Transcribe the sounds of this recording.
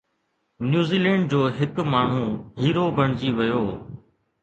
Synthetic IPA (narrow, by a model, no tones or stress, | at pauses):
njuːziːlɛ̃ːɳɖ̚d͡ʑoːɦɪkmaːɳ̤ũːɦiːɾoːbʱəɳ̤̃d͡ʑiːʋɐjoː